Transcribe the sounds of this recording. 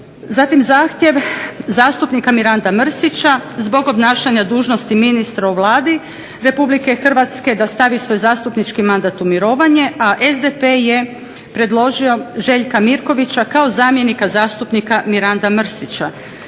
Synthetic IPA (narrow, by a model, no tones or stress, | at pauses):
zat̪imzaːxt̪je̞ʋzaːst̪upnikamiɾand̪amr̩sit͡ɕazbo̞ɡo̞bnaːʃaɲad̪uːʒno̞st̪iminist̪ɾauʋlˠaːd̪i | ɾepublike̞xr̩ʋat̪ske̞d̪ast̪aʋisʋo̞jzaːst̪upnit͡ʃkimand̪at̪umjiɾo̞ːʋaɲe̞aʔezd̪epe̞je̞ | pɾe̞d̪lˠo̞ʒio̞ʒe̞ʎkamiɾko̞ʋit͡ɕakao̞zaːmje̞nikazaːst̪upnikamiɾand̪amr̩sit͡ɕa